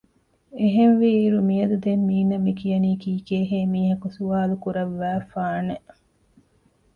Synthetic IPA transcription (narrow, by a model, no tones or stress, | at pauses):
eɦenʋiːɾumijɐd̪ud̪emːiːnɐmikijɐniːkiːkeːɦeːmiːɦɐkusuaːlukuɾɐʋːæːfaːne